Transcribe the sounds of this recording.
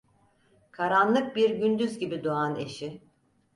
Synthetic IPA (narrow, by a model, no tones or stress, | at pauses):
kʰaɾanlˠɯk̚biɾɟynd̪yzɟibid̪oane̞̰ʃi